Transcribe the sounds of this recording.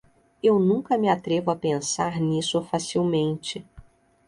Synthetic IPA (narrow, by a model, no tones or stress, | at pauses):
ewnũŋkɐmɪat̪ɾevʊapẽsaɾnisʊfasiwmẽnt͡ʃɪ